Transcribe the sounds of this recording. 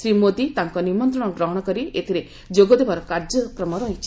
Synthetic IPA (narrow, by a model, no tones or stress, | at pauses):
sɾimod̪it̪aŋkɔnimɔnt̪ɾɔɽ̃ɔɡɾɔɦɔɽ̃ɔkɔɾiet̪ʰiɾe | d͡ʒoɡɔd̪ebaɾɔkaɾd͡ʒɔkɾɔmɔɾɔɦit͡ʃʰi̥